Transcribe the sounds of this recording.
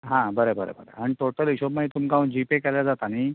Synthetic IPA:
ɦãbəɾəbəɾə̰bəɾə̰aɽ̃it̪oʈəliɕobmait̪umkaund͡ʑipekɛljad͡zat̪aniː

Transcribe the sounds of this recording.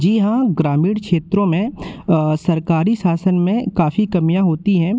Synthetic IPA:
d͡ʒiɦãɡɾaːmiːɽkʃeːt̪ɾõmẽ | sɐɾkaːɾisaːsənmẽkaːfikɐmijãɦoːt̪iɦɛ̃ː

